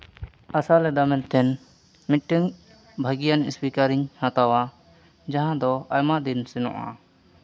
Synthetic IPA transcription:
asalɛd̪amɛnt̪ɛn | miʈɯŋ | bʱaɡijanspikaɾiɲhat̪awa | d͡ʒaɦãd̪ɔajmaʔd̪insɛnɔ̰ʔa̰

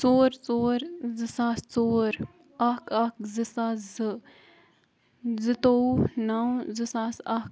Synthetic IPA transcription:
t͡soːɾt͡soːɾzɨsast͡soːɾ | akɐkzɨsaːzɨ | zɨt̪onaw̃zɨsasak

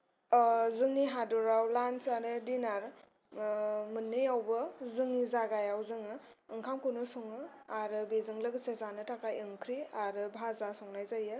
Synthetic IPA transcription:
zɯŋniɦadɔɾawlansaɾɯdinaɾ | mɯnːɯjawbɯzɯŋnizaɡajawzɯŋɯ | ɯŋkʰamkunɯsɔŋɯaɾɯbezɯŋlɯɡɯsezanɯtʰakajɯŋkʰɾiaɾɯbʱazasɔŋnajzajɯ

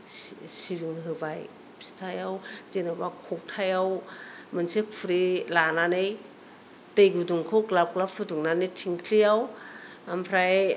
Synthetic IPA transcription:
ssiɾiŋɦɯbaj | pʰi̥tʰajawzenɯbakʰɔk̚tʰajawmɯnsekʰuɾilananɯj | dɯjɡuduŋkʰoklap̚klapʰuduŋnanejtʰiŋkʰlijaw | ampʰɾaj

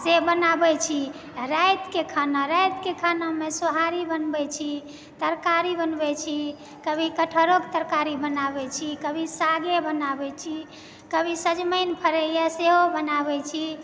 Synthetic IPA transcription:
sebənabɛt͡ʃʰi | ɾajt̪kekʰanaɾajt̪kekʰanamesoɦaɾibənbɛt͡ʃʰi | t̪əɾkaɾibənbɛt͡ʃʰi | kəbʱikəʈʰəɾokt̪əɾkaɾibənabɛt͡ʃʰikəbʱisaɡebənabɛt͡ʃʰi | kəbʱisəd͡ʒməɪnpʰəɾəjaseɦobənabɛt͡ʃʰi

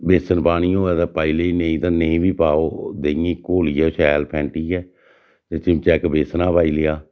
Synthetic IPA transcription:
beːsənpaːɽ̃ĩːoːɛːt̪ãːpaːileːnẽĩːt̪ãːnẽĩːbʱiːpaːoːd̪eːĩːkoːliːɛːʃɛːlpʰɛ̃ːɳʈiːɛː | t̪eːt͡ʃɪmt͡ʃɛːkbeːsnãːpaːiːlɪjaː

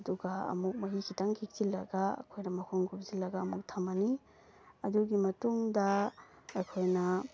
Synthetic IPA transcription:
ɐduɡɐɐ̰muk̚mɐɦikʰitaŋkʰik̚zilːɐɡaɐ̰kʰojnɐmɐkʰɔŋɡupzilːɐɡɐːmuk̚tʰɐmɐni | ɐduɡimɐtuŋdɐ | ɐjkʰojnɐ

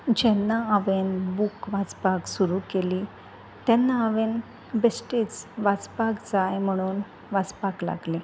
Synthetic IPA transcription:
d͡ʑɛnːaaʋenbukʋat͡spaksuɾukeliː | t̪ɛnːaːʋen | besʈet͡sʋat͡spaɡd͡zajm̤əɽ̃uːn | ʋat͡spakla̰ɡle

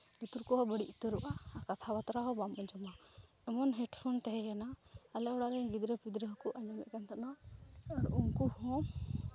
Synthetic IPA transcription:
ɡit̪uɾkɔɦɔbəɽiʔt̪uɾuʔakat̪ʰabat̪ɾaɦɔbamaɲd͡ʒɔma | ɛmɔnɦɛʈpʰɔnt̪ɛɦɛjanaalɛɔɽaɾɛɡid̪ɾəpid̪ɾəɦɔkuʔaɲd͡ʒɔmɛ̰ʔ̚kant̪ʰanaɔɾuŋkuhɔ̃

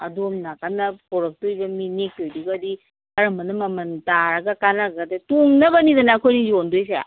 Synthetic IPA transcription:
ɐ̰domnakanɐpɔɾɐk̚tojbɐminek̚tojduɡadi | kɐɾɐmɐnɐmɐmɐntaɾɐɡɐkanakɡadetuŋnɐbɐnidɐnaːkʰojnijondojs̬ea̰

